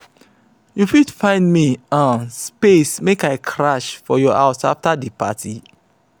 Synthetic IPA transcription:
jufudfãɪ̃ndmiãnspesmekaɪkʰɹaʃfɔjɔaʊsa̰ftadipa̰tʰi

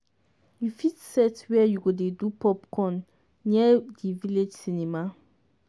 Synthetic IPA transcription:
jufitsɛtwɛjuɡodedupʰɔpkʰɔ̃n | ñɛdiviled͡ʒsinĩma

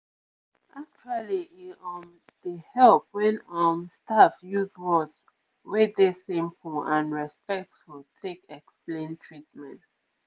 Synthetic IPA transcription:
ʔak̚t͡ʃualiiɔn | dəhɛlp̚wɛ̃nɔmstafjuzwɔt | wedesĩmpʰulãnɹɛspɛk̚tfultʰekɛksplẽntʰɹitmɛ̃nt

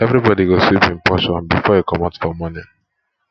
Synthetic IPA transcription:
ɛvɾibɔdiɡoswipĩmpɔʃɔ̃nbifɔjekɔmatfɔmɔnɪ̃ŋ

